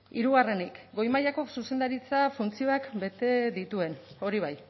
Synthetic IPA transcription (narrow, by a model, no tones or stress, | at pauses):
iɾuɣare̞nikɡo̞jmajako̞suse̞nd̪aɾit͡safunt͡sio̞akbe̞t̪e̞ðit̪ue̞no̞ɾiβ̞aj